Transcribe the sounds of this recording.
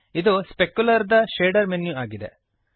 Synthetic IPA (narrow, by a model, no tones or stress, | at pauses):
id̪uspekjulɐɾd̪ɐʃeːɖɐɾmenjuaːɡid̪e̞̰